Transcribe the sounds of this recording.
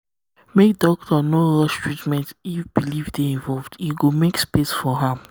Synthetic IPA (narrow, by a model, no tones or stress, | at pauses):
mek̚dɔk̚tʰɔnolɔʃtɹitmɛ̃ntifb̥ilivdeĩnvɔlvdiɡomekspesfɔɦãm